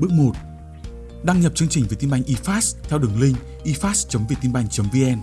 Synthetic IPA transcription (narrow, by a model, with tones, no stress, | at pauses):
ɓɨ˦˥ək̚mo˨˩t̚ | ɗa˧ŋɲə˨˩p̚t͡ɕɨ˧əŋt͡ɕï˨˩ŋ̟ve˨˩t̪i˧mɓa˧jŋ̟ʔi˧faː˦˥tst̪ʰɛ˧wɗɨ˨˩əŋlï˧ŋ̟ | ʔi˧faː˦˥tst͡ɕə˨˦mvi˨˩t̪i˧nɓa˧˩jŋ̟t͡ɕə˨˦mvi˧ʔɛ˧n